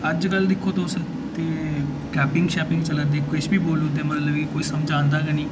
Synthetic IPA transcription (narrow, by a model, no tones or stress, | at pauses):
əd͡ʒkəld̪ɪkʰːoːt̪os | t̪eː | ʈɛːpɪ̃ŋɡʃɛːpɪ̃ŋɡt͡ʃəlad̪eːkʰːɪt͡ʃbiːboːlũːt̪̬eːmət̪ləbkiːkoːiːsəmd͡ʒãːnd̪aːkɛnĩː